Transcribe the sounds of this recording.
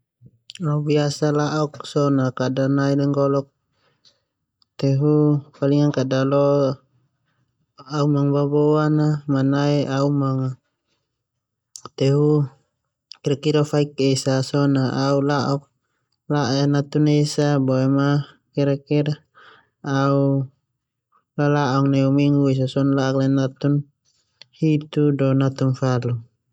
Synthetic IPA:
aubiasalaʔɔksɔnakadanailɛŋɡɔlɔk̚ | t̪ɛɦufaliŋankadalɔ | aumaŋbabɔanamanaiaumaŋa | t̪ɛɦu | kiɾakiɾafaikesasɔnaʔaulaʔɔk̚ | laʔɛnat̪unesabɔɛma | kiɾakiɾaː | u | lalaɔŋnɛumiŋɡues̬asɔnlaɔklanat̪un | hit̪udɔnat̪unfalu

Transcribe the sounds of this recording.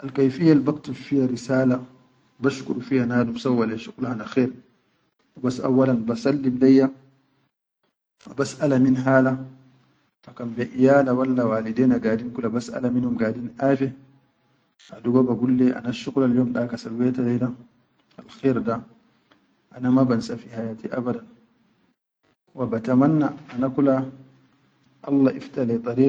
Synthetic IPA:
ʔalkajfijːalbaktufihaɾisaːla | baʃkṵɾufihanaːdumsawːalɛʃuqlahanaxɛːɾ | basʔa̰wːalanbasalːimlajːa | abasʔalaminɦaːla | fakambɛʔijaːlawalːawaːlidɛːnaɡaːdinkulabasa̰laminhumɡaːdinʔaːfɛ | ʔaduɡɔbaɡulːɛʔa̰naʃuɣlaljɔːmɗakasalwɛtalajda | alxɛɾda | ʔanamabansafihajaːtiʔabadan | wabatamanːaːnakula | ʔɑlːaʔiftalɛt̪ˤɑɾiː

